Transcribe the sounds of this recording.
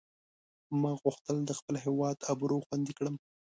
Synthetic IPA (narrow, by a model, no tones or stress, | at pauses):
mɑɣʊxt̪əld̪əxpəlɦewɑd̪abɾoxwand̪ikɽəm